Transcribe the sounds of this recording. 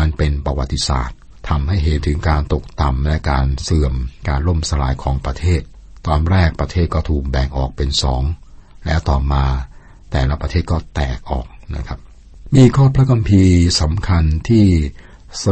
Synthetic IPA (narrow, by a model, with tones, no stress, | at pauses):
a˧npe˧npɾa˧wa̰˨˩t̪ːi˧sa̰ː˨˩t̪̚ʰːa˧mha˥˩jɦe˨˦nt̪ʰɯ˩˦ŋkaː˧nt̪o˨˩k̚t̪a˨˩mlɛ˦˥kaː˧nsɯ˨˩əmkaː˧nɾo˥˩msa˧ɾa̰ː˧jkʰɔː˩˦ŋpɾa˧t̪ʰeː˥˩t̪̚ː | ɔː˧nɾɛː˥˩k̚pɾa˧t̪ʰeː˥˩t̪̚kɔː˥˩t̪ʰuː˨˩k̚bɛ˨˩ŋʔɔ̰ː˨˩k̚pe˧nsɔː˩˦ŋlɛ̰˦˥wt̪ɔː˨˩maː˧ | t̪ɛː˨˩la˦˥pɾa˧t̪ʰeː˥˩t̪̚kɔː˥˩t̪ɛː˨˩k̚ʔɔ̰ː˨˩k̚na̰˦˥kʰa˦˥p̚ | miː˧kʰɔː˥˩pʰɾa˦˥kʰa˧mpʰiː˧sa˩˦mkʰa˧nt̪ʰiː˥˩ | s